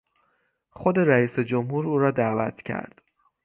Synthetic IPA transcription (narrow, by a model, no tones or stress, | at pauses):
xo̞d̪e̞ɾæiːsed͡ʒomhuːɾuːɾɒːd̪æːvæ̰t̪ʰcʰæ̰ɾd̪̥